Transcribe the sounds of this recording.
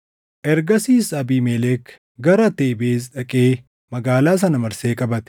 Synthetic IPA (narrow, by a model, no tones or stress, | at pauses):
ʔɛɾɡɐsiːsɐbiːmelɛk | ɡɐɾɐt̪eːbeːz̬ᶑɐkʼeː | mɐɡaːlaːs̬ɐnɐmɐɾseːkʼɐbɐt̪ɪ̥